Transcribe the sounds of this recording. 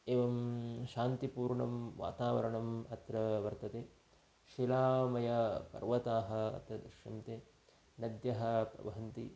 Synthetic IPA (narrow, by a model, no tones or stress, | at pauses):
eːʋɐmʃaːnt̪ipuːɾɳɐmʋa̰ːt̪aːʋɐ̰ɾɐɳɐmɐt̪ɾɐʋɐɾt̪ɐt̪eː | ʃilaːmɐjɐpɐ̰ɾʋɐt̪aːɦɐ̆ɐ̰t̪ɾɐd̪ɾɐʃjɐmt̪eː | nɐd̪jɐɦɐ̆pɾɐ̰ʋɐɦɐnt̪ḭ